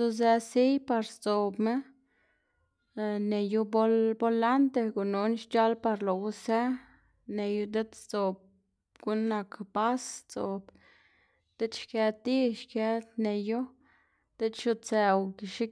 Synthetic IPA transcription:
u˦ze˧si˦jpa˧ɾst͡so˨bme˦˨ | ne˨ju˧bo˦lbo˧la˦nt̪e˧ɡu˨nu˧nʃt͡ʃa˦lpa˧ɾlo˨wu˦se˦ | ne˨ju˧d̪e˦d̪t͡so˨b̚ | ɡ̥u˦nːa˨kba˦st͡so˨b̥ | d̪̥e˦t͡ʃʃke˧t̪i˦ʃke˧t̪ne˨ju˦ | d̪̥e˦t͡ʃʃu˧t͡se˨wki˨ʃi˦

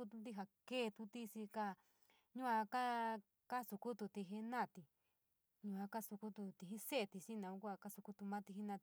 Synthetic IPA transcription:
u˦t̪u˧t̪̬i˦ɦa˧keː˦˧t̪u˧t̪i˦si˧ka˧ | ɲũ˦a˧ka˦ | ka˦su˧ku˦t̪u˧t̪i˧ɦe˧nã˦˨t̪i˧ | ɲũ˧a˧ka˦su˧ku˦t̪u˧t̪i˧ɦi˦se˦˧t̪i˧si˦nã˧ũ˧˦kʷa˧ka˦su˧ku˧t̪u˧mã˦t̪i˧ɦi˦nã˧

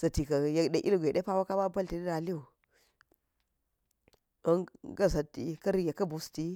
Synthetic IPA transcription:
sɐ˨ti˨ka˨je˨kɗe˨ʔḭ˦lɡʷe˨ɗe˦pa˦wa˦ka˦ba˦bɐ˦lti˨di˦ɾa˨li˦u˨ | o˦ŋɡa˦s̬a˨ti˨kɐ˦ɾi˦ɡe˨kɐ˦bu˨˦sti˦

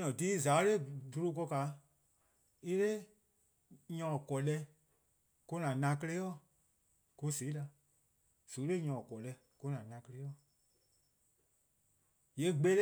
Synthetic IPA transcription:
nɔ̃˨diː˦zaː˨˦le˦˨du˧ɾo˧k̬ɔ˧ka˨˦ | i˦le˦ | ɲɔ̃˨kɔ˨lɛ˧ | ku˧nã˨nã˧˦k̬ə˧le˦jɔ˦˨ | ku˧se˨˦la˧ | su˨˦le˦˨ɲɔ̃˨kɔ˨lɛ˧˦ | ku˧nã˨nã˧˦kə˧le˦ɔ˦˨ | je˨˦ɡ͡be˦l

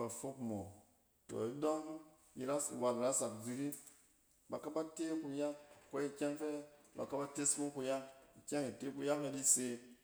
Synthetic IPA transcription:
ba˨fo˦kmo˨ | to̰˨i˦do˦ŋ | i˨ɾa˦ḭ˨wa˨bi˨ɾa˦sa˨kd͡zi˧ɾi˦ | ba˨ka˦ba˦te˦ku˧ja˦ŋko˦i˧kʲa˦ŋfe˦ba̰˨ka˦ba˦te˦smu˦ku˧ja˦ŋi˨kʲa˦ŋi˨te˦bu˧ja˦ke˦di˦se˧

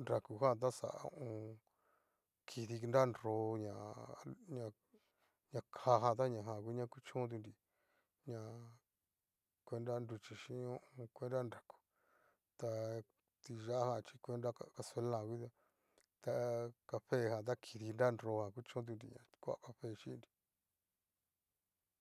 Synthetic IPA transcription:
ndɾa˨ku˨hã˦˨t̪̬a˦sa̰˨a̰˧ṵ̃˦˧ʔũ˧ | kʰi˧ði˧nda˦˨˧no˧˦ɲã˨ɲã˧ | ɲã˧kʰa˧ɦã˧t̪̬a˦ɲã˧˨ɦã˧˨kʷi˦ɲã˧˦ku˦t͡ʃõː˦t̪̬u˧nɾi˧ | ɲã˧ | kʷe˧nɾa˦ndu˧t͡ʃi˧ʃĩ˧˦õ˦ʔũ˧kʷe˦nda˦nda˨ku̥˨ | t̪a˧ | t̪i˧ʒa˦ʔa˦hã˧t͡ʃi˧kʷe˦nda˦aka˧se˧˦lã˧˨˧kʷi˦t̪a˧ | t̪a˧ka˧ɸe˦˨hã˨t̪̬a˦kʰi˧ði˧nda˦˧nɾo˧˦hã˨ku˦t͡ʃõ˦t̪̬u˧ndḭ˨ɲã̰˨kʷa̰˦˨˧ka˧ɸe˦˨ʃi˦˧di̥˨

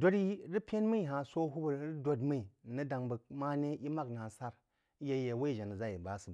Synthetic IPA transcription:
do˦ɾi˦ɾi˦pʲe˦nmə˦i˨ɦa˨so˦ɦu˦bə˨ɾɾi˦do˦dmi˦i˨nə˦da˨ŋbə˨k̚ma˦ne˦i˦ma˦kna˨sa˦ɾ | je˨˦je˨we˦i˨ʒa˨nə˨za˦˨ji˨ba˨˦sɨ˨b

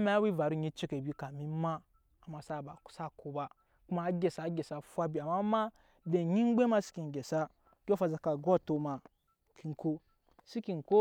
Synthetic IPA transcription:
ma˦wi˦va˨ɾu˦ɲi˦t͡ʃi˦ke˨bi˦ka˨mi˦ma˦ | a˨ma˨sa˦˨ba˨sa˦˨ko˨ba˦ | ku˦ma˦ɡʲe˨sa˨˦ɡʲe˨sa˨fʷa˦bi˨a˨ma˦ma˦ | be˨ɲi˦ŋ˦ɡ͡be˦ma˦si̥˦ki˨n˨ɡʲe˨sa˦ | kʲo˦fa˨za˨ka˨ɡo˦˨to˦ma˨ | kʰi˨n˨ko˦ | si˦ki˨nko˦

